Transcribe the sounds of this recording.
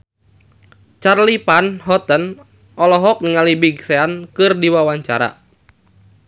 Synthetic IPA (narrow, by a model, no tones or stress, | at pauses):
t͡ʃarlipanɦɔt̪ən | ʔɔlɔɦɔk̚niŋalibiɡseankɨrdiwawaɲt͡ʃa̰ɾa̰